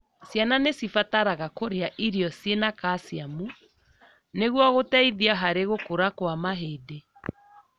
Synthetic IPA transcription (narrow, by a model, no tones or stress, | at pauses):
sjananesifataɾaɣakoɾeaʔiɾiɔsjenakasiamu | neɣwɔɣotɛiðiaɦaɾeɣokoɾakwamaɦede